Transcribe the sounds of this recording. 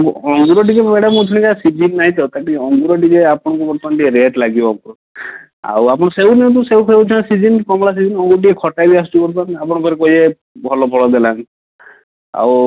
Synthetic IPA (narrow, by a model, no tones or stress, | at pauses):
ɡuɔŋɡuɾɔʈ̬ikebeɽamũd͡ʒʰɔɽ̃ikasid͡ʒinːaɦĩt̪ɔt̪aʈiɔŋɡuɾɔʈid͡ʒeapɔɽ̃ɔ̃kupɔɾt̪anʈieɾeʈlaɡibɔakɔɔ | a̰wapɔɽ̃ɔseuniɔ̃t̪̬useupʰeud͡ʒʰɔ̃asid͡ʒinkɔmɭas̬id͡ʒinɔŋɡuɾɔʈ̬iekʰɔʈajbias̬t͡ʃubɔɾanap̬ɔɽ̃ɔpʰɔɾekɔɦie | bʱɔlɔbʱɔɭɔd̪elan | a̰w